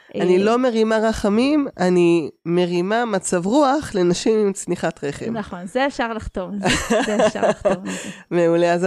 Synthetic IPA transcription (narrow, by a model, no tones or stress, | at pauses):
ʔanilo̞me̞ʁimaʁaχamimanime̞ʁimamat͡savʁuaχle̞naʃimimt͡sniχatʁe̞χḛmnaχonzeːfʃaʁlaχt̪ov̰ | meuleaz